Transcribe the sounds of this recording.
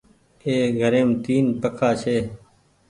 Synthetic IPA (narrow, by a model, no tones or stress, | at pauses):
eːɡʱəɾeːmt̪iːnpəkʰaːʃeː